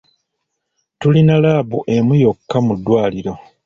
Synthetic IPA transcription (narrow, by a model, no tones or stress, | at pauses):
tulinalaːβṵʔe̞mujokːamudːwaːliɾo̞